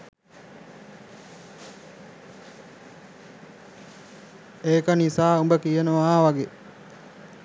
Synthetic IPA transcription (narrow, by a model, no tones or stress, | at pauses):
eːkənisaːumbəkijənəʋaːʋaɡe